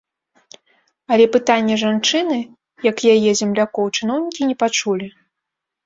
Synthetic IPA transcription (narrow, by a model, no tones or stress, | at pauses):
ɐlʲɛpɨt̪anʲːɛʐant͡ʂɨnɨ | jɐkjajɛzʲɛmlʲakɔwt͡ʂɨn̪ɔwnʲikʲinʲɛpat͡ʂulʲi